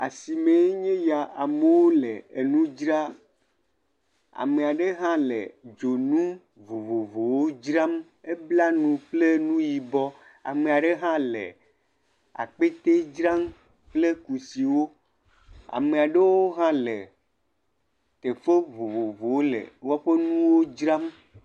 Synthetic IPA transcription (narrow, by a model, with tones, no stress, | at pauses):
a̰˨si˨mẽ˨˦ɲẽ˦ja˨ʔa˨me˨wo˦le˨e˨nũ˦d͡ʒɾa˦ | a̰˨me˨a˨ɖe˦ɦã˦lḛ˨d͡ʒo˨nũ˦ | vo˨vo˨vo˨wo˦d͡ʒɾa˦m | e˦bla˦nũ˨ɸle˦nũ˦ji˨bɔ˦ | a̰˨me˨a˨ɖe˦ɦã˦lḛ˨ | a̰˨k͡pe˦t̪e˦d͡ʒɾa˦m | k͡ple˦ku˨si˨wo˦ | a̰˨me˨a˨ɖe˦wo˦ɦã˦le˨ | t̪e˨ɸe˦vo˨vo˨vo˨wo˦lḛ˨wɔ˦ɸe˦nũũ˦wo˦d͡ʒɾa˦m